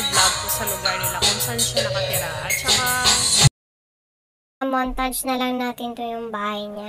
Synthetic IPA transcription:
ɡlabʊsɐlʊɡaɹnɪlakʊnsanʃanɐkɐt̪ɪɾaŋɐt͡ʃɐka | ɐmont̪ad͡ʒnɐlɐŋnaːt̪ɪnt̪ojʊŋbaːhɐjɲa

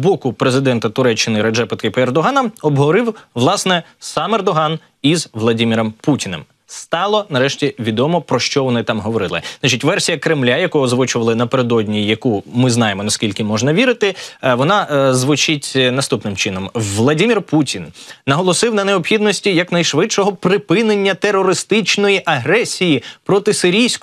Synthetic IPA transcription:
bɔkʊpɾezɪd̪ɛnt̪ɐt̪ʊɾɛt͡ʃːɪnɪɾed͡ʒɛpɐt̪kɪperd̪ɔɦɑnɐɔbɦɔɾɪwʋlˠɑsnɛ | sɑmɛrd̪ɔɦɑn | izʋlˠɐdʲimʲiɾɔmputʲinɪ̰m | st̪ɑlˠɔnɐɾɛʃtʲiʋʲid̪ɔmɔpɾɔʃt͡ʃɔʋɔnɪt̪ɑmɦɔʋɔɾɪlˠɪ̰zat͡ʃɪtʲʋɛrsʲijɐkɾɪmlʲajɐkɔɦɔzʋʊt͡ʃʊʋɐlˠɪnɐpeɾed̪ɔdʲnʲijɐkumɪznɑjemɔnɐskʲilʲkɪmɔʒnɐʋʲiɾɪt̪ɪʋɔnɑzʋʊt͡ʃɪtʲnɐst̪upnɪmt͡ʃɪnɔmʋlˠɐdʲimʲirputʲinːɐɦɔlˠɔsɪwnɐneɔpxʲid̪nɔsʲtʲijɐknɐjʃʋɪtʃɔɦɔpɾɪpɪne̞nʲːɐt̪erɔɾɪst̪ɪt͡ʃnɔjiʔɐɦɾɛsʲijipɾɔt̪ɪsɪɾʲijsʲk

